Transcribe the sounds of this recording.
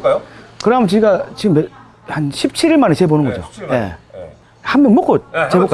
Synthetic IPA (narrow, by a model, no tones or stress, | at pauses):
kɯɾʌnamʌnt͡ɕiɡat͡ɕiɡɯmːe | hanɕʰip̚t͡ɕʰiɾiɭmanet͡ɕebonɯnŋɡʌd͡ʑo̰je̞̰ | hanbʌnmok͈ot̚t͡ɕebok